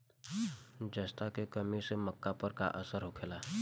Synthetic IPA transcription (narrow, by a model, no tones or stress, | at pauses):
d͡ʒəst̪akekəmiseməkːapəɾka̰ʔəsəɾɦokʰelaː